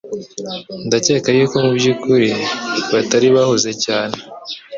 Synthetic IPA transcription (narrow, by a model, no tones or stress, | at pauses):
ndace̞ːkajuːko̞mubjukuɾiβataɾiβahoze̞caːne